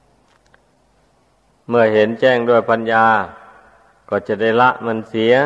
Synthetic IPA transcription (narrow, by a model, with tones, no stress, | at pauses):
mɯ˧˩ɐhe˨˦nt͡ɕɛː˥˩ŋdu˥˩əjpʰa˧˥njaː˧ | kɔː˧˩t͡ɕa˧˩da˥˩jla˧ʔma˧˥˩nsi˨˦ɐ